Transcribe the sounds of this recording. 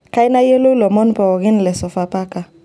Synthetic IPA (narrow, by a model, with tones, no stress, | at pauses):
ka˦jna˦je˦lo˦lɔ˨mɔ˦n˦pɔ˨wɔ˨ɡi˦ni˨lɛ˨sɔ˨fa˦pa˦kã˨